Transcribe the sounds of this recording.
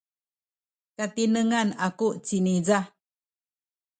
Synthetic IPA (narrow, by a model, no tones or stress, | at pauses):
kat̪inəŋanakuʔt͡ɕiniza